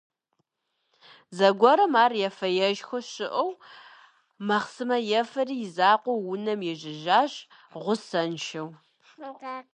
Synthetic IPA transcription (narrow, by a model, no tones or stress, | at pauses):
zɐɡʷɔɾɐmaːrjɛfɐjɛʒxʷɐɕɪʔɐw | mɐχsɨmɐjɛfɐriːjɪzaːqʷɔwwʊnɐmjɛʒɪʒaːɕʼʁʷʊsɐnʃɐw